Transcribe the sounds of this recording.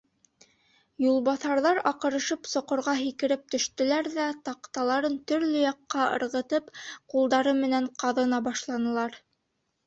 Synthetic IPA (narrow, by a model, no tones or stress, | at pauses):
julˠβɑθɑɾðɑɾɑqɤ̆ɾɤ̆ʃɤpsŏqŏɾʁɑɦikɘ̆ɾɘp̚t̪ɵ̆ʃt̪ɵ̆læɾðæt̪ɑqt̪ɑlˠɑɾɤnt̪ɵ̆ɾlɵjɑqːɑɤ̰̆ɾʁɤ̆t̪ɤpqulˠd̪ɑɾɤmɘ̆næɴqɑðɤ̆nɑbɑʃlˠɑnɤ̆lˠɑɾ